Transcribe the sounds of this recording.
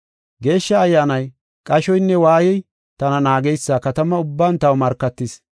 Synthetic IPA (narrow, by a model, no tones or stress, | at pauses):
ɡe̞ːʃːɐːjːaːnɐj | kʼɐʃɔjnːɛwaːjɛj | t̪ɐnɐnaːɡɛjsːaːkɐt̪ɐmɐʊbːaːnt̪ɐwmɐɾkːɐt̪ːɪs